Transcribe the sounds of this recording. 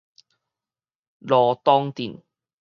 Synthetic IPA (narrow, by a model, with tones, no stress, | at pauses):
lɔː˧t̪ɔː˥ŋt̪i˨˩n